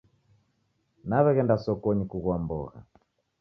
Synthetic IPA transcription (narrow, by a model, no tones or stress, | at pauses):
naβɛɣɛndasɔkɔɲikuɣwambɔ̰ɣa̰